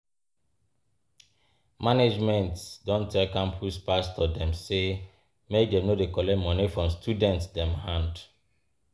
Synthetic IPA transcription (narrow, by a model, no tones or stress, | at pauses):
maned͡ʒmɛ̃ntsdɔ̃ntʰɛlkãmpʰuspastɔdɛ̃mse | mek̚dɛ̃mnodekɔlɛmɔ̃nifɹɔ̃mstʰudɛ̃ntsdɛ̃mhãnd